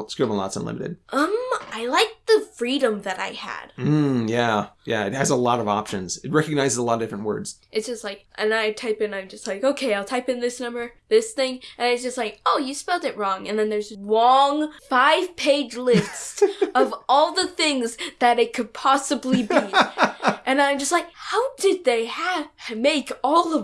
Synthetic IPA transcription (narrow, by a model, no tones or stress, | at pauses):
skɹimə̃nlɑ̰tsə̰̃nlɪ̰mɨɾɨ̰d̥̚ʔʌ̃maɪlaɪk̚ðɨfɹiɾə̃mðɨɾa̰ɪɨ̰d̥m̩jæjæ̰ɨ̰t̚hɨzəlɔɾʌvɑ̰pʃɨ̃nz̥ɨt̚ɹɛkɨɡ̚naɪzɨzəlɔɾdɪfɹə̃nwɜ̰˞dz̥ | ɨtsd̥ʒ̥ʌstlaɪk̚ʔɨ̃naɪtʰaɪpɨ̃nãɪ̃md͡ʒʌst̚ˡlaɪkoʊkʰeɪaɪlˠtʰaɪpɨ̃nðɪsnʌ̃mbə˞ðɪsθɪ̃ŋʔɨ̃naɪ̥d͡ʒ̥ʌst̚ˡlaɪkoʊjɨspɛlˠtɨt̚ɹɔ̃ŋɨ̰̃nðɨ̃nðə˞zd͡ʒʌlɔ̃ŋfaɪv̥pʰeɪd͡ʒlɪstʌvɔlˠðəθɪ̃ŋzðɨɾɨt̚kʰɨd̚pʰɑsəblibi | ʔɨ̃nãɪ̃md͡ʒʌst̚ˡlaɪk̚haʊdɨd̪̚ðeɪəvmeɪkɔlˠʌ